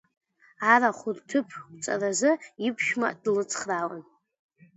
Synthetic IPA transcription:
aɾaχʷʊrtʰɨpʰɡʷʼt͡sʼa̰razɨipʰʃᶣma̰ʔd̥lɨt͡sʰʼχrawa̰n

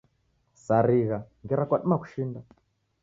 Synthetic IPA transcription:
saɾiɣaŋɡɛɾakwaɗumaku̥ʃinda

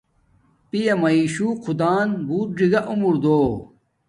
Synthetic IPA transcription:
pijemɐiːɕuqʰud̪aːnbuːt̚ɖiɡɐʔumuɾd̪oː

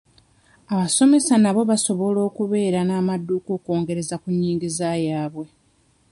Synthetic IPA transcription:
aβaso̞me̞sanaβo̞βaso̞βo̞lo̞ːkuβe̞ːɾanaːmadːukoko̞ːŋɡe̞ɾe̞zakuɲːiːŋɡizajaːβwe̞

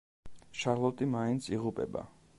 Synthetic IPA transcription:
ʃaɾlˠɔt̪ʼimaint̪sʰiʁupʼɛba̰

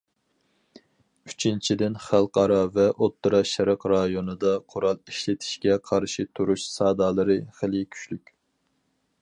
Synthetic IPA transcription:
yt͡ʃʰint͡ʃʰid̪ɪnχælˠqʰɑɾɑvɛʔot̪ʰːɨɾɑʃɛɾəqɾɑjonɨd̪ɑqʰʊɾɑlˠiʃlɪt̪ʰi̥ʃkʲɛqʰɑɾʃit̪ʰuɾuʃsɑːd̪ɑːlˠɨɾɨχəlɪkʲʰy̥ʃlykʲ

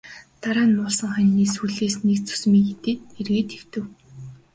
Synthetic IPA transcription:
t̪aɾaːnmʊɔɮsə̆ŋχænʲːiːsuɮeːsnekt͡sʰɵ̥s̆miːet̪eːt̪erɣeːt̪xew̥t̪ɘ̆w

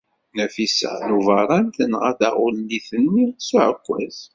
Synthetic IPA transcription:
næfisə̰nuvɑɾˤɑnt̪ənʁæθa̰ʁʊlliθənːisuʕəkʷːæ̰z

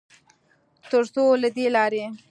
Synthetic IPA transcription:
t̪əɾsolad̪elɑɾe

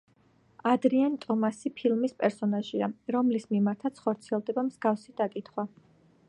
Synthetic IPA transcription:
ad̪ɾiant̪ʼɔmasipʰilˠmispʼɛɾsɔnaʒiaɾɔmlismimaɾt̪ʰat̪sʰχɔɾt̪sʰiɛlˠd̪ɛbamz̥ɡafsid̪̥akʼit̪ʰχwa

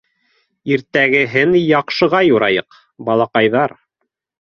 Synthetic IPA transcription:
iɾt̪æɡɘ̆ɦɘnjɑqʃɤ̆ʁɑjuɾɑjɤq | bɑlˠɑqɑjðɑɾ

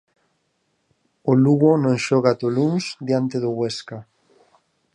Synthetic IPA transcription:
ʊluɣonõŋʃɔɣat̪oluŋsd̪jant̪eðʊɣweska

